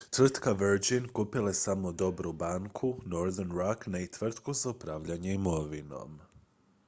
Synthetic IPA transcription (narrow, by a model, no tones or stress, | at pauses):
t̪ʋr̩t̪kaʋəɾd͡ʒinkupilasamo̞d̪o̞bɾubaŋkʰunoɾðənɾaknait̪ʋr̩t̪kuzaupɾaːʋʎaɲeimo̞ʋino̞̰m